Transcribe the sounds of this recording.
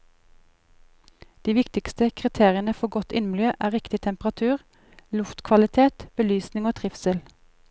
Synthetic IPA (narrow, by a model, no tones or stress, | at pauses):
d̪̥iːʋɪkt̪ɪkst̪əkʰʁɪt̪ʰeːʁɪənəfɔɡɔt̪ɪ̰nm̩l̩jøːʔæːʁɪkt̪ɪt̪ʰɛmpʁɑt̪ʰʉːʁ | lʊft̪kʰʋɑlɪt̪ʰeːt̪b̥əlyːsnɪŋoːt̪ʰʁɪfsəl